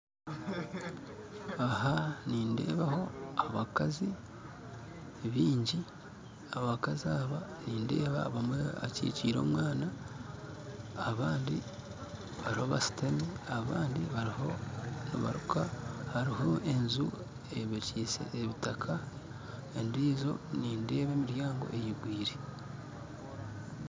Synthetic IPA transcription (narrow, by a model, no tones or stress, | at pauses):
ahaniːnde̞̰ːβaho̞aaβakazi | βiːɲɟi | aβakaziaːβaniːnde̞̰ːβaβamwea̰cḭːciːɾo̞̰ːmwaːna | βaːndi | βaɾiho̞βasi̥tamiaβaːndiβaɾihonḭβa̰ɾukʰahaɾiho̞ʔe̞nzu | eβicisḛeβitakʰa | endiːzo̞̰niːnde̞ːβe̞ːmiɾjaːŋɡo̞̰ʔe̞jiɡwiːɾe